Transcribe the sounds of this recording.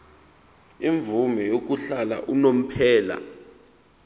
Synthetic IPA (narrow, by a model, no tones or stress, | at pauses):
iɱvumɛjok̬uɬala̰ʔunom̩pʰɛːla̰